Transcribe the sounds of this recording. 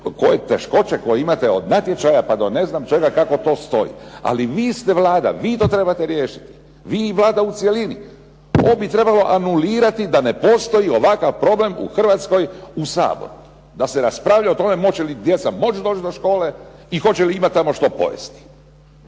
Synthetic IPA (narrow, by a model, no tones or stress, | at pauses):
ko̞jet̪e̞ʃko̞t͡ɕeko̞jeimat̪eod̪nat̪jet͡ʃajapad̪one̞znamt͡ʃeɡakako̞t̪o̞ːst̪o̞̰jḭa̰liʋiːst̪eʋlaːd̪a̰ʋiːt̪o̞ːt̪ɾe̞bat̪eɾje̞ːʃi̥t̪i̥ | ʋiːʋlˠaːd̪aut̪sjelini | o̰ːbit̪ɾe̞balo̞ʔanuliːɾat̪id̪ane̞po̞st̪o̞jio̞ʋakaʋpɾo̞ble̞mṵxr̩ʋat̪sko̞jusa̰ːbo̰ɾu | d̪aseɾaspɾaːʋʎaot̪o̞me̞mo̞t͡ɕelid̪jet̪samo̞t͡ʃd̪oːt͡ʃd̪o̞ʃko̞ːle̞ixo̞t͡ɕeliimat̪ːamo̞ʃt̪o̞po̞̰jḛst̪i̥